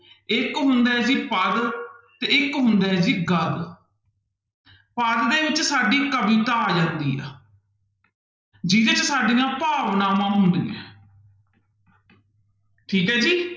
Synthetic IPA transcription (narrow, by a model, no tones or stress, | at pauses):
ɪkɦʊnd̪aːɛd͡ʒiːpəd̪t̪eːɪkɦʊnd̪ɛːɛd͡ʒiːɡəd̪ | pəd̪d̪eːʋɪt͡ʃsaːɖiːkəbiːt̪aːd͡ʒãːnd̪iːa̰ː | d͡ʒiːd̪eːt͡ʃsaːɖiːãːpaːʋnaːmãːɦʊnd̪ḭːɛ̰̃ː | ʈʰiːkɦɛːd͡ʒiː